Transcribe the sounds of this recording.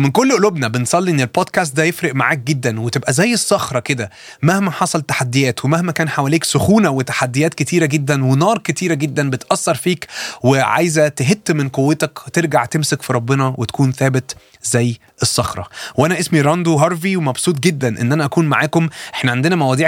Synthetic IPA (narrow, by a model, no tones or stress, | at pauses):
menkolːʔolobnæbensˤɑlːiʔenːelboːd̪kæːs̬t̪̚d̪æjefɾeʔmaʕaːk̚ɡed̪ːænwet̪ebʔæzæjːesˤːɑxɾˤɑked̪æ | mæhmæħɑsˤɑlt̪ːḁħad̪ːejæːt̪wemæhmækæːnħawæleːksoxuːnæwet̪ḁħad̪ːejæːt̪ket̪iːɾæɡed̪ːænwenɑːɾˤket̪iːɾæɡed̪ːænbet̪ʔɑsːɑɾˤfiːkweʕa̰jzæt̪eɦet̪ːmenqowːet̪ækt̪eɾɡaʕt̪emsekfiɾˤɑbːenɑwʔet̪æ̥kuːnθæːbet̪ | zæjː | ʔesˤːɑxɾˤɑ̰wʔænæʔesmiɾˤɑnd̪uɦɑɾˤfiwemɑbsˤuːt̪̬̚ˤɡed̪ːænʔḛnːʔænæʔækuːnmaʕaːkomʔeħnæʕand̪enæmæwæd̪ˤiːʕ